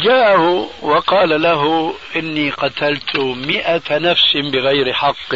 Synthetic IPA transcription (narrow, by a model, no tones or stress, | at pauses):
d͡ʒaːʔhʊwɑqɑːlalaɦʊʔɪnːiqɑt̪ʰalt̪ʰʊmɪʔanafsɪbɪɣajɾɪħɑqː